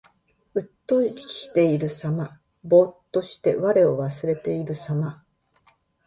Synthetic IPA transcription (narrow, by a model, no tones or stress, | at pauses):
ɯ̟t̪ːo̞ɕi̥t̪e̞iɾɯ̟sama | bo̞t̪ːo̞ɕi̥t̪e̞βaɾe̞o̞βasɨɾe̞t̪e̞iɾɯ̟sama